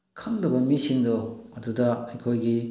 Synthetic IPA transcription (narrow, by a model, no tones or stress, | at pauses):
kʰɐŋdɐbɐmisiŋdoɐdudɐɐjkʰojɡi